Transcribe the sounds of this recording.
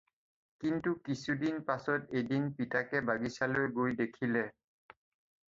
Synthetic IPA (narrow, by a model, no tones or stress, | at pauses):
kintukisudinpasɔtejdinpitakɛbaɡisalojɡojdekʰilɛ